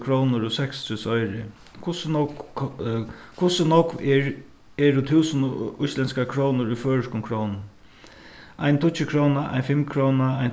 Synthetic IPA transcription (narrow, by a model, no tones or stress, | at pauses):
kʰɾownʊɾʊsɛkst̪ʰusɔjɾɪ | kʰʊsnɔk | kʰʊsɪnɔkvɛɹ | ɛːɾʊt̪ʰuːsnʊjslɛnskakʰɾownʊɹuføːɹəʂkʊmkʰɾownn | a̰jnt̪ʰʊt͡ʃɪkʰɾoːnaʔa̰jnfɪmkʰɾownaajn